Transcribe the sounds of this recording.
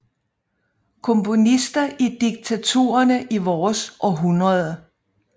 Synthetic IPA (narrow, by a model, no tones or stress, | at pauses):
kʰɔ̽mpʰo̝nisd̥ɐʔid̥iɡ̥̚t͡sʰæt͡sʰo̝̰ːɐnəʔiʋɒːsʔɒ̽ɦunʁɐðˠə